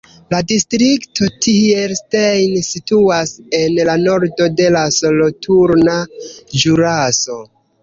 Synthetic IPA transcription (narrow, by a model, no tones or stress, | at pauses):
ladistɾiktotielstejnsituase̞nlano̞ɾdo̞de̞laso̞lotʰuɾnad͡ʒuɾaso̞